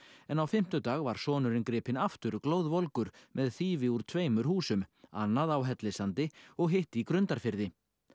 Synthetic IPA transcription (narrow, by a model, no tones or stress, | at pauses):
ɛnawfɪm̥t̪ʏt̪aːɣvaɾ̥sɔːnʏɾɪnkɾɪːpɪnaft̪ʏɾkloːwðvɔlkʏɾmʔɛðθiːvɪuɾ̥t̪ʰveːjmʏɾ̥huːsʏma̰nːaðawɦɛt̪lɪsant̪ɪɔɣɦeht̪ikɾʏnt̪aɾ̥fɪɾðɪ